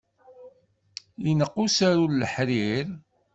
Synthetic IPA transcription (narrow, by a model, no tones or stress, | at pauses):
inəqːusaɾulləħɾiɾ